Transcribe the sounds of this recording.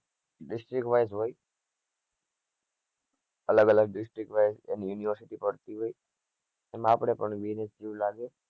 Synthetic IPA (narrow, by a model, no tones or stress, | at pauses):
ɖisʈɾikʈʋajsɦoj | ələɡələɡ̚ɖisʈɾik̚ʈʋajsḛnjuniʋəɾsiʈipɔɾt̪iɦoj | emapɽ̃epəɳbinesd͡ʒiwlaɡe